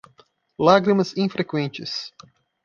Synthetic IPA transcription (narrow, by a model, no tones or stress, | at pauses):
laɡɾimɐzĩfɾekwẽnt͡ʃɪs